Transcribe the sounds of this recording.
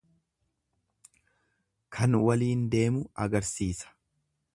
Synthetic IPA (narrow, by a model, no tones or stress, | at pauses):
kʰɐnwɐliːnd̪e̞ːmʊɐɡɐɾsiːsɐ̥